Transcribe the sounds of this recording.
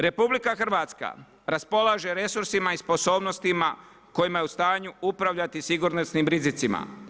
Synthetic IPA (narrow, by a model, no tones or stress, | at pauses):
ɾe̞publikaxr̩ʋaːt̪ska̰ | ɾaspo̞lˠaʒe̞ɾe̞suɾsimaispo̞so̞ːbno̞st̪ima | ko̞jimajeust̪aːɲuupɾaʋʎat̪isiɡuɾnosnimɾizit̪sima̰